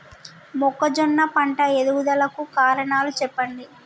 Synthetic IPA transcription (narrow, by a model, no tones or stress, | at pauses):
mɔkːɐd͡ʒɔnːɐpɐɳʈɐed̪uɡud̪ɐlɐkukaːɾɐɳaːlut͡ʃɛpːɐɳɖ̪i